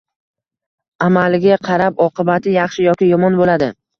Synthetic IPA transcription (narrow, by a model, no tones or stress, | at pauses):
amalɡʲaqʰɑɾapɒqɨbat̪ʰɪjɑχʃɪjɒkʲɪjɒmɒnbolad̪ɪ